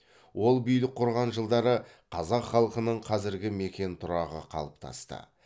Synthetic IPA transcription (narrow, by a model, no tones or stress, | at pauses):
wʔo̞lˠbijlɪk̚qʰʊɾʁɑnʒəlˠd̪ɑɾə | qʰɑzɑqχɑlˠəqənəɴqʰɑzɪɾɡʲɪme̞kʲe̞nt̪ʰʊɾɑʁə̰qʰɑ̰lˠəp̚t̪ʰɑ̰st̪ə̰